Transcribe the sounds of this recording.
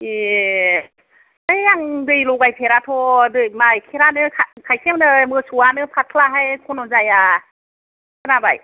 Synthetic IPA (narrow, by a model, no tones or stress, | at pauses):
e | ɯjaŋdɯjlɔɡajpʰeɾatʰɔdɯjmajkʰeɾanɯkʰakʰajkʰemnɯmɯsuwanɯpʰatʰlaɦajkʰɔnɔzaja | kʰɯɾabaj